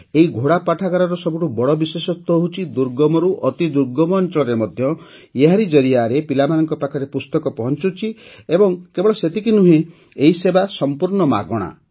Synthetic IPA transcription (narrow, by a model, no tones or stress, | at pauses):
eiɡʱoɽapaʈʰaɡaɾɔɾɔsɔbuʈubɔɽɔbisesɔt̪ɔɦut͡ʃʰid̪uɾɡɔmɔɾuʔɔt̪id̪uɾɡɔmɔːnt͡ʃɔɭɔɾemɔd̪ʱjɔ | jeɦaɾid͡ʒɔɾiaɾepilamanɔŋkɔpakʰɔɾepust̪ɔkɔpɔɦɔnt͡ʃut͡ʃʰiebɔŋkebɔɭɔset̪ikinuɦẽ | eisebasɔmpuɾɳɔma̰ɡɔɽ̃a̰